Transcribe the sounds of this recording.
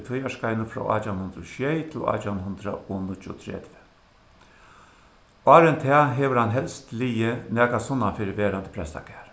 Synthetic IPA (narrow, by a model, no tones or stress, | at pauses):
t̪ʰʊjaʂkajnəfɾɔ̰ʔa̰ːt̪ʰawnhʊnd̪ɾʊʃjɛjt̪ʰɪlɑ̰ːt̪ʰanhʊnd̪ɾa̰ʔonʊt͡ʃʊ̰t̪ʰɾɛ̰d̪̥və̥ | ɑːɾənt̪ʰɛːɦeːʋəɾhanɦɛlst̪lijənæːkasʊnːanfɪːɾʋeːɾand̪ə̥pʰɾɛst̪a̰kʰɛːɾ